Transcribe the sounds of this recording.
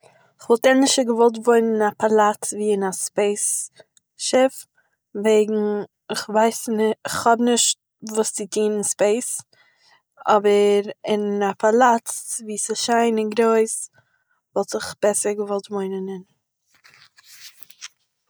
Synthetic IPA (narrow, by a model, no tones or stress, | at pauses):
ɪχvɔlˠtɛnlɪʃtəɡəvɔlˠt̬voɪnənapalˠatviːɪnaspeɪs | ʃɪf | veɪɡŋ̩ | ɪχvaɪsnχhɔbnɪʃt̚ | vuːst͡sɪtʰiːnɪnspeɪs | ɔbəɾɪnapʰalˠat͡sviːsɪʃaɪnɪnɡɾoɪs | vɔlˠtɪχb̥ɛsəɾɡəvɔlˠtvoɪnənɪn